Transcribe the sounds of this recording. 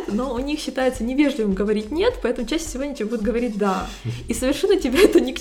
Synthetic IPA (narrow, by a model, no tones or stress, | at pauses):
t̪noʊnʲixɕːɪt̪ajɪt̪sənʲɪvʲe̞ʐlʲɪvɨmɡəvɐɾʲit̚ʲnʲe̞t̪pɐɛt̪əmʊt͡ɕæɕːɪ̥sʲɪvodʲnʲɪtʲbʲebud̪ʲʊt̪ɡəvɐɾʲit̚ʲd̪a | isəvʲɪrʂɛnːətʲɪbʲaɛt̪ənʲɪk